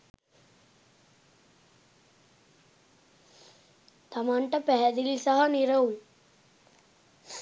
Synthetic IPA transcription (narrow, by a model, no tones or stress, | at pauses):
t̪ɐmaɳʈəpɛɦd̪ilsəɦəniɾəun